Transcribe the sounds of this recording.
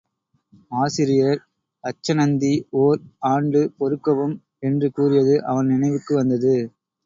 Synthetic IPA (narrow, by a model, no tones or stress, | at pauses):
aːsɪɾɪjɐɾ | ɐt͡ʃːɐnɐnd̪ioːɾaːɳɖɯpɔɾɯkːɐʋɯm | ɛndrɯkuːrɪjɐðɯʔɐʋɐnnɪnɐɪʋɯkːɯʋɐnd̪ɐðɯ